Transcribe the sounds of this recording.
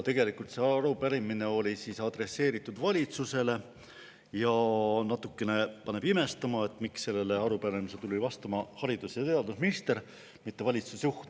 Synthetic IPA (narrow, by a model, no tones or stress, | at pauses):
t̪e̞ɡ̥e̞likult̪se̞ɑɾupæɾimine̞o̞lʲisisɑd̪̥re̞se̞ːɾit̪ːˑud̪̥vɑlʲit̪suse̞le̞ | jɑnɑt̪ːˑukːe̞ne̞pɑne̞b̥ime̞st̪ɑmɑe̞t̪ːˑmiksːe̞lːe̞le̞ɑɾupæɾimiset̪ulʲivɑst̪ɑmɑhɑɾid̪usjɑt̪e̞ɑd̪usminist̪e̞ɾ | mit̪ːe̞vɑlʲit̪susjuht̪